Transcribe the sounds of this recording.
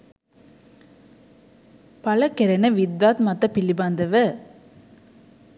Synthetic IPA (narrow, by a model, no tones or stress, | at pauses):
pɐlɐkɛɾɐnɐʋɪd̪ːaːt̪mɐt̪ːɐpɪlːibaːnd̪ɐʋɐ